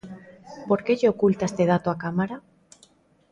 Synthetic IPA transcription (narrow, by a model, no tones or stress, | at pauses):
po̞ɾkeʎeokult̪aest̪e̞ð̞at̪oakamaɾa